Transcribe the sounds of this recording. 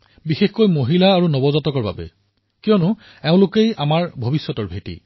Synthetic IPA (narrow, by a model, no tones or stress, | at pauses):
bixexkojmoɦilaːɹunɔbɔzɔtɔkɔɹba̰bɛ̰ | kijɔnʊ | eʊ̃lʊkejamaɹbʱobisːɔtɔɹbʱetḭ